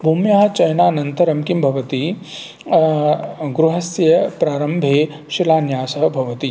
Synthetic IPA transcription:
bʱumjaːɐt͡ʃɐjnaːnɐnt̪ɐɾɐmkimbʱɐʋɐt̪i | ɡɾuɦɐsjɐpɾaːɾɐmbʱeː | ʃilaːnjaːsɐɦɐbʱɐʋɐt̪i

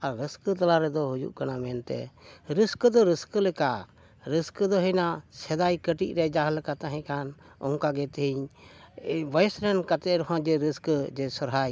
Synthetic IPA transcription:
aɾːəskət̪alaɾɛd̪ɔɦud͡ʒṵʔkanamɛnt̪ɛ̰ɾəskəd̪ɔɾəskəlɛka | ɾəskəd̪ɔɦɛjnasɛd̪ajkəʈiʔ̚ɾɛd͡ʒaɦlɛkat̪aɦɛ̃kan | ɔ̰ŋkaɡɛt̪əɦiɲ | bəjɛsɾɛnkat̪ɛɾɔɦãd͡ʒɛɾiskd͡ʒɛsɔɾɦaj

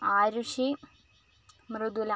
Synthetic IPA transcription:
aːɾuʂi | mrɨd̪ula

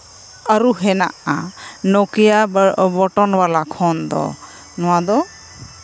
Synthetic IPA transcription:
aɾuɦɛna̰ʔa̰nɔkijabɔʈɔnwalakʰɔnd̪ɔ̰ | nɔwad̪ɔ

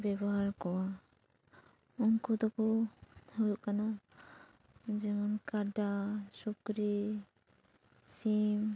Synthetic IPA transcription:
bɛbɔɦaɾkɔwa | ɔŋkud̪ɔkuhujkana | d͡ʒɛmɔnkaɖasɔkɾi | sim

